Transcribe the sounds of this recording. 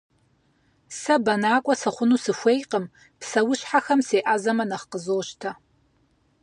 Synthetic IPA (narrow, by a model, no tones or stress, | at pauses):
sɐbɐnaːkʷʼɔsɨχʷʊnuːsɨxʷejqəm | psɐwʊɕħaxɐmseːʔazɐmɐnɐχqəzoːʃtʰɐ